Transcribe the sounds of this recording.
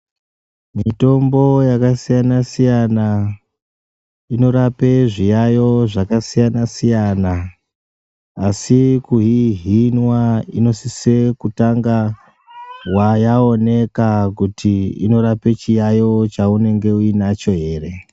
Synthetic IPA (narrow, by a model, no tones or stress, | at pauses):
mito̞mbo̞jakasijanasijana | ino̞ɾape̞ʐijajo̞ʐakasijanasijana | sikuɦiɦinwaino̞sise̞kutaŋɡa | wajao̞ne̞kakutʰiḭno̞ɾape̞t͡ʃijajo̞t͡ʃaune̞ŋɡe̞uinat͡ʃo̞ɦe̞ːre̞